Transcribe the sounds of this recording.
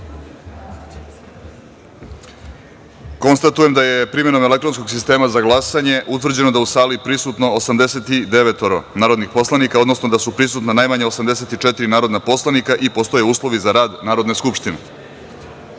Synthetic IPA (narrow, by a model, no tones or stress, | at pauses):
ko̞nst̪at̪ujemd̪aje̞pɾime̞no̞me̞le̞kt̪ɾo̞nsko̞ɡsist̪e̞ːmazaɡlˠasaɲe̞ʔut̪ʋr̩d͡ʑe̞no̞d̪ausaːlipɾisut̪no̞osamd̪ese̞t̪id̪e̞ʋet̪oɾo̰naːɾod̪nixpo̞slanikao̞d̪nosno̞d̪asupɾisut̪nanajmaɲeosamd̪ese̞t̪it͡ʃet̪iɾinaːɾo̞d̪napo̞slˠanikaʔipost̪o̞jeuːslˠo̞ʋizaɾaːd̪naːɾo̞d̪neskupʂt̪ine